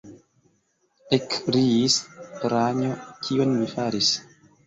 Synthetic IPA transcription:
ekɾiːspeɾaɲokʰionmifaɾis

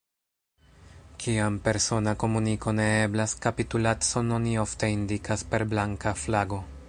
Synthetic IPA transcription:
kʰiampe̞ɾso̞nako̞muniko̞ne̞eblaskapitulatso̞nonio̞fte̞indikʰaspe̞ɾblaŋkaflaɡo̞

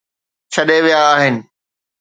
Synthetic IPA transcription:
t͡ɕʰɐɗeʋijaːɦɪnɪ̆

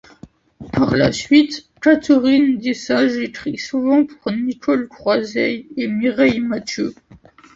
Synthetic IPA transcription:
paʁla̰sɥit̪ | kat̪ʰəʁind̪esaʒekχisuvɑ̃puʁnikʰɔlkχwazɛjemiʁɛjmat̪ø

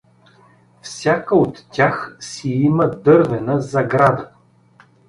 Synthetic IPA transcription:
fsʲakəot̪ːʲaxsiiməd̪ɤɾvɛnəzɐɡɾad̪ə

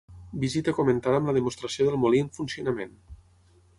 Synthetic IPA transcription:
bizit̪əkumənt̪aðəmləðəmust̪ɾəsioðəlˠmoliəɱfunsiunəmen

